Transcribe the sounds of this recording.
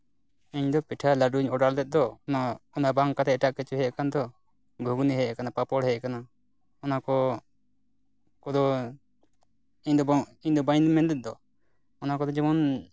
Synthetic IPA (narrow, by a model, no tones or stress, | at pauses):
iɲd̪ɔpiʈʰalaɖuɲɔɖald̪ɛt̪̚d̪ɔnaɔnabaŋkat̪ɛɛʈaʔkɛt͡ʃuɦɛkand̪ɔ | ɡʱuɡniɦɛjkanapapɔɽhɛjʔkana | ɔnakɔ | kɔd̪ɔ | iɲd̪ɔbiɲd̪ɔbaɲd̪ɔmɛnd̪ɛt̪̚ˀd̪ɔ | ɔnakɔd̪ɔd͡ʒɛmɔn